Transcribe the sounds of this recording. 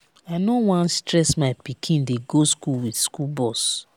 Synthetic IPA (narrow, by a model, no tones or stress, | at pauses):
aɪnowãnstɹɛsmaɪpikʰĩndeɡoskulwidskulbɔs